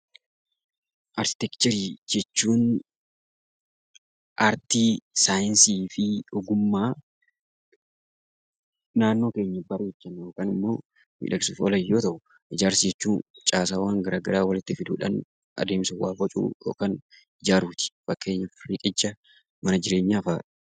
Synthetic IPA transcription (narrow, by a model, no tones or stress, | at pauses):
ʔɐɾkɪ̥t̪ɛkt͡ʃ̪ɐɾiːd͡ʒɛt͡ʃːuːn | ʔɐɾt̪iːsaːjɪnsiːfɪʊɡʊmːaː | naːnːo̞ːke̞ːɲːɐbɐɾuɛd͡ʒːɐnːjokanɪmːo̞ː | mḭːᶑɐkɪsuːfɔlɐjo̞ːt̪ɐʔʊ | ʔɪd͡ʒaːɾsd͡ʒɛt͡ʃːuːnt͡ʃʼaːsaːwaːŋɡɐɾaːɡɐɾaːwɐlɪt̪ːɪfɪd̪uːᶑɐ̰n | ɐ̰d̪e̞ːmsʊwaːbɔt͡ʃʼṵːjoːkan | ɪd͡ʒaːɾuːt̪ɪ̥fɐkːe̞ːɲːɐfɪriːkʼɛd͡ʒːɐ | mɐnɐd͡ʒɪɾe̞ːɲːaːfaːᶑ̥